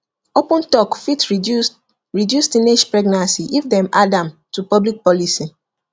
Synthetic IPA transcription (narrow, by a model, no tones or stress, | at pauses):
opɔ̃ntɔkfit | ɹidjustined͡ʒpɹɛɡnãnsiʔifdɛ̃madãmtupɔblik̚pɔlisi